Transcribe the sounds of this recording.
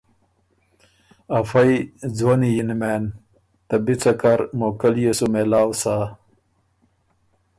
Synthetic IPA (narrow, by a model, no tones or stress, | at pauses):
ɐfɐjd͡zwonijinmeːn | t̪ɐbit͡sɐkaɾmokɐljesumelaːwsa